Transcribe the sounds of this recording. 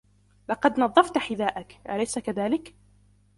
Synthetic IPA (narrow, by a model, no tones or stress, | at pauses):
lɑqɑd̪nɑðˤːɑft̪ħɪðaːʔakʔalajsakaðaːlɪk